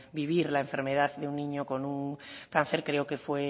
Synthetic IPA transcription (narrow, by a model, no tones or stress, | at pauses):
biβ̞iɾlaeɱfe̞ɾme̞ð̞aððeunːĩɲoko̞nuŋkan̟θe̞ɾkɾeoke̞fwe̞